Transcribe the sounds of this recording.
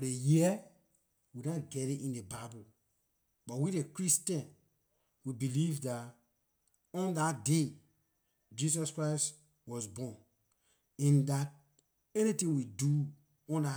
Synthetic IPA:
fɔdejiɛ | widaɡɛɾitĩndebabu | bɔtwidekɹistɛ̃n | wibilivdat | ɔ̃ndatde | d͡ʒis̬ɔskɹaɪst | wɔsbɔ̃n | ɛ̃ndat̚ | ɛnitĩŋwidu | ɔ̃nda

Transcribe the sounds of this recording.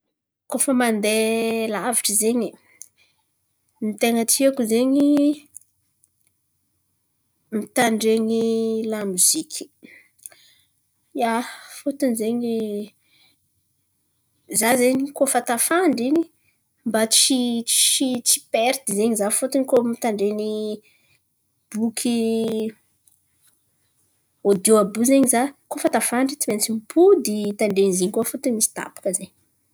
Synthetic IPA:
kofəmand̪elaviʈ͡ʂəzeɲi | mit̪eŋəʈ͡ʂiakuzeɲi | mit̪aɳɖ͡ʐeɲilamuzikʲʰi̥ | jafot̪inzeɲi | zazeɲikofat̪afaɳɖ͡ʐini | mbat͡sit͡ʃit͡si̥peɾt̪izeɲizafot̪unkomit̪aɳɖ͡ʐeni | b̥ukʰi | od̪oabuzeɲizakofat̪afaɳɖ͡ʐit͡siment͡simpʰud̪it̪aɳɖ͡ʐenziɲkofot̪unmisi̥t̪a̰pḁkəzeɲ

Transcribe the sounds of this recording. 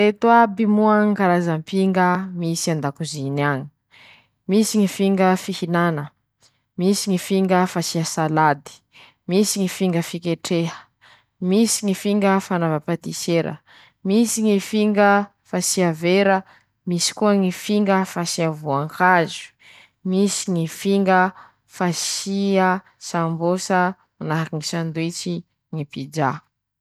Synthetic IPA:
et̪uabimuaŋikaɾazampiŋɡəmisiand̪akuzinaɲi̥ | misiŋifiŋɡəfihinanə | misiŋifiŋɡəfasiasalad̪i̥ | misiŋifiŋɡəfikeʈ͡ʂehə̥ | misiŋifiŋɡəfanavapat̪iseɾə̰ | misiŋifiŋɡə | fasiaveɾə | misi̥kuəŋifiŋɡəfasiavuaŋkazu̥ | misiŋifiŋɡə | fasiə | sambosə | manaɦakiŋisand̪et͡ʃi | ŋipid͡ʒa

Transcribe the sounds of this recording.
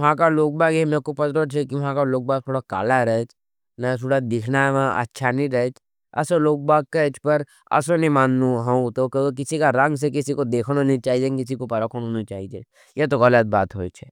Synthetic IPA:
ɐɦãkaloːɡ̚baːɡɛmẽkopɐt̪ɾot͡ʃʰekiʋɐɦãkaloːɡ̚baːk̚t̪ʰoːɽaka̰ːlaɾɐɦɛt͡ʃ | nɐt̪ʰoːɽad̪ɪkʰnaʋãʔɐ̰tːʃʰanĩɾɐɛt͡ʃ | ɐ̰səloːɡ̚baːk̚kːaɪt͡ʃʰpɐɾ | ɐ̰sonimaːnːuɦɐ̃t̪okk̬ɪsikaɾɐ̃ŋɡs̬ek̬ɪsikod̪eːkʰñonĩt͡ʃaːɦid͡ʒekɪsikopɐɾəkʰoñonĩt͡ʃaːɦid͡ʒe | jet̪oɣɐlət̪̚baːt̪ɦoːt͡ʃʰɛ

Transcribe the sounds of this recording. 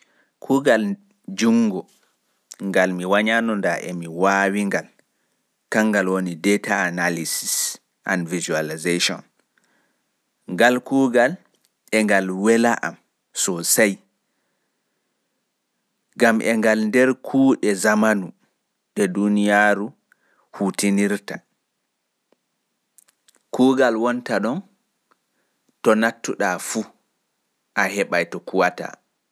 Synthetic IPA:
kʰuːɡal | d͡ʒuŋɡɔ | ŋɡalmiwaɲanɔndaʔɛ̰miwawiŋɡal | kaŋːɡalwonidɛtaːnalisis | ʔa̰nvizualizeʃɔ̰n | ŋɡalkuːɡal | ʔɛŋɡalwɛlaʔa̰m | sɔsaj | ɡamʔɛŋɡalndɛɾkʰuːɗɛzamanu | ɗɛdunijaːɾu | hutiniɾta | kuːɡalwɔntaɗɔn | tɔnatːuɗafu | ʔahɛɓajtɔkuwata̰

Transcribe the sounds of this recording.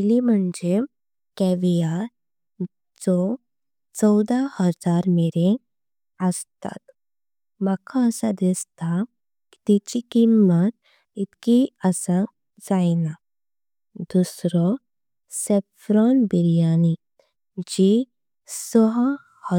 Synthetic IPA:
ilim̤əɳd͡ʑe | kɛʋija | d͡zɔ | t͡sɔwd̪ahəd͡zaɾmeɾẽ | əst̪a̰t̪ | makʰaəsad̪ist̪a | ki̥t̪it͡ɕikimːət̪̚ | it̪kiəsa | d͡zajna | d̪usɾɔ | sefɾɔnbiɾjani | d͡ʑi | səɦə | hə

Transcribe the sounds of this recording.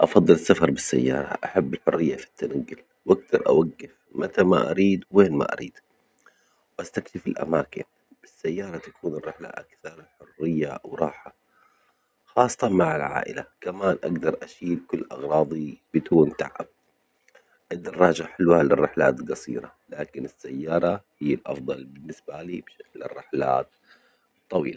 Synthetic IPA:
ʔɑfɑðˤːɨlɪsːafɑɾˤbɪsːa̰jːɑ̰ːɾˤɑ̰ʔaħabːɪlħʊrːɪjːafi̥t̪ːanaɡːʊl | wʔaɡ̚d̪ɑɾˤʔa̰waɡːɪf | mat̪ama̰ʔaɾiːd̪weːnma̰ʔa̰ɾḭːd̪̥ | wʔast̪akʃɪfɪlʔa̰maːkɪ̰n | b̥ɪsːajːɑːɾˤɑt̪ḁkuːnɪrːɪħla̰ʔakθɑɾˤħʊrːɪjːawɾˤɑːħa | xɑːsˤt̪ɑmaʕɪlʕa̰ːʔɪ̰lakamaːnʔaɡd̪ɑɾˤʔaʃiːlkʊlːʔɑɣɾˤɑːðˤib̥ɪt̪uːnt̪a̰ʕa̰b̚ | ʔɪd̪ːɑrˤːɑːd͡ʒaħɪlwhalɪrːɪħla̰ːt̪lɡɑsˤḭːɾa | laːkɪnɪsːajːɑːɾˤɑhɪjːalʔɑ̰fd̪ˤɑlbɪnːɪsbaliːbʃaklɪ̰rːɪħla̰ːt̪ | t̪ˤːɑwḭːla

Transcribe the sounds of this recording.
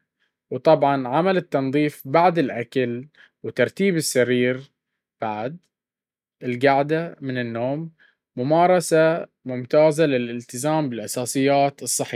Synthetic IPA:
wt̪ˤɑbʕɑnʕamalɪt̪ːɑnðˤiːfbaʕd̪ɪlʔakal | wɪt̪ɑɾˤt̪iːbɪsːaɾiːɾ | b̥aʕd̪ | ɪlɡaʕd̪amɪnɪnːoːmː | ʊmɑːɾˤɑsa | mʊmt̪aːzalɪlɪlt̪ɪzaːmbɪlʔɑsɑːsˤɨjːaːt̪ɨsˤːɨħi

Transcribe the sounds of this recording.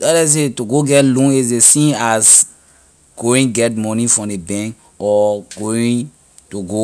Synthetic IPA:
aɾɛs̬etuɡoɡɛtlũnisdesĩnas | ɡ̥oĩɡɛtmɔnĩfɹɔ̃mdebɛ̃ŋk | ɔɡoĩ | tuɡo

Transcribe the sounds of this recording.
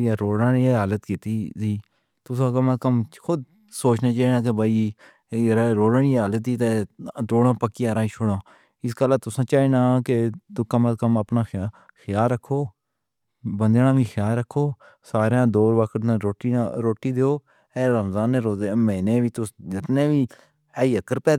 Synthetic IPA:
aːɾoːɽãːnẽːɦaːlət̪kit̪iːsiː | t̪ʊsãːkəmət̪kəmkʰʊd̪̚ | soːt͡ʃnaːt͡ʃaːeːnãːk̬ebaːiː | ɾɾoːɽaɳiːaːlət̪ːiːt̪eːd̪oːɽãːpəkːiːaːɾaːiːt͡ʃʰoɽãː | ɪskəlaːt̪ʊsãːt͡ʃaːeːnaːket̪ʊkəmət̪̚kəməpnaːx | kʰjaːlɾəkʰːoː | bənd̪aːnaːʋĩːxʰjaːlɾəkʰːoː | saːɾjãːd̪oːɾʋəkʰʈnẽːɾoːʈiɾoːʈːiːd̪eːoː | ɛːɾəmzaːnːeːɾoːd̪emɛ̃ːnẽːʋiːt̪ʊsd͡ʒɪt̪neːʋiː | iːəkəɾpɛː

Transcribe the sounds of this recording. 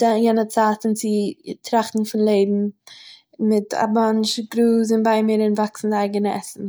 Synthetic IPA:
dajɛnət͡saːtɪnt͡sɪtʰɾaχtn̩fɪnlˠeɪbm̩ | mɪtʰa̰manʃɡɾuːs̬ɪnbaɪmɪɾɪnvaksn̩daɪɡənəɛsn̩

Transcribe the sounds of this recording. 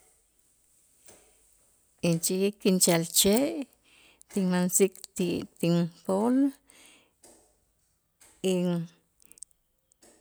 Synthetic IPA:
int͡ʃijikːint͡ʃalt͡ʃeʔ | t̪iŋmansikt̪it̪iŋpol | iŋ

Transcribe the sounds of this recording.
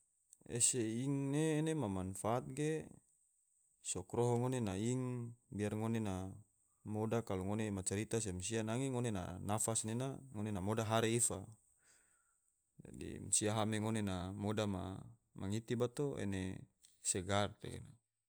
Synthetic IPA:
ḛseiŋneːnemamanfaːt̪̚ɡe | sɔkɾoɦoŋonenaiŋbiarŋonena | modakaloŋonemat͡ʃaɾit̪as̬emsianaŋiŋonena̰nafasnenaŋonenamodaɦaɾeifa | d͡ʒa̰dḭmsiaɦameŋonenamodama̰ | maŋit̪ibat̪oḛne | seɡart̪ḛɡḛna

